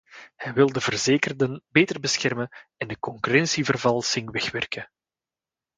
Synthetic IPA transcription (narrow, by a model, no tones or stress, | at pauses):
hɛjʋɪlˠdəvərzeːkərdənbeːtərbəsxɛrmənɛndəkɔŋkyrɛnsivərvɑlˠsɪŋʋɛxʋɛrkə